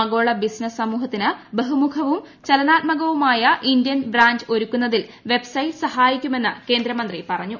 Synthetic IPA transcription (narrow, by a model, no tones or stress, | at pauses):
ɐɡo̞ːɭɐbisnɐssɐmuːɦɐt̪ːinɨbeɦumukʰɐʋum | t͡ɕelɐnaːt̪̚mɐɣɐʋumaːjɐʔind̪jɐnbraːɲd͡ʑɨo̞ɾukːunːɐðilʋe̞bsɐjʈsɐhaːjikʲːume̞nːɨke̞ːnd̪ɾɐmɐnd̪ripɐrɐɲːu